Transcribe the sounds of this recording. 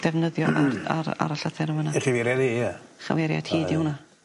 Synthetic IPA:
d̥ɛvnəðjɔʔaa̰ɾa̰ɾaɬəθɪɾəmənaɛχiviɾɛðijaχa̰wɛɾja̰d̥hiːdɪwna

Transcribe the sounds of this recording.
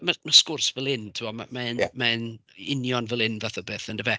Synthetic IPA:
mamaskʊrsvɛlˠɪntʰɪɔma̰manmanɪnjɔnvɛlˠɪnvaθɔbeːθəndəvɛ

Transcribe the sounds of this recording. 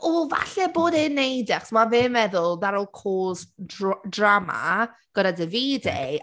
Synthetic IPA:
ova̰ɬɛboːdɪnːejdɛχsmavɪmvɛðʊlˠdaɾolˠkʰoːsdrama̰ | ɡ̥əɾadəviːdḛ

